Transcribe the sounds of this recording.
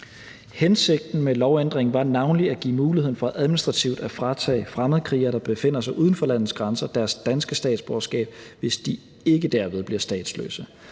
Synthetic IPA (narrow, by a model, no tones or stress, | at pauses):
hense̝ɡ̥̚d̥n̩melɒʊend̥ʁeŋ̩ʋɑ̈nɑ̈ʊnliæɡ̥ḭːmuːliheðˠnfɒ̽æʔæðˠminisd̥ʁɑ̈t͡sʰiʊd̥æfʁɑ̈t͡sʰɛ̰ːɪfʁamð̞̩ˠkʰʁḭɐɾ̥ɑ̈b̥e̝fe̝n̰ɐsɑ̈ɪuːðˠn̩fɒ̽læn̰ð̩ˠsɡ̥ʁansɐd̥æɐsd̥ænsɡ̥əsd̥ɛ̰ːd̥sb̥ɒːsɡ̥ɛ̰ːb̥̚ʋe̝sd̥i | e̝ɡ̥əd̥æɐ̰ʋe̝ð̞ˠbliɐsd̥ɛ̰ːd̥slø̰ːsə